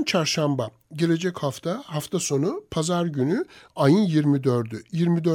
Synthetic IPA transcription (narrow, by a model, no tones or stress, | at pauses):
nt͡ʃʰaɾʃamba | ɟe̞lʲe̞d͡ʒɛchaft̪ʰahaft̪ʰaso̞nupʰazaɾɟynyajɯnjiɾmid̪øɾd̪yjiɾmid̪ø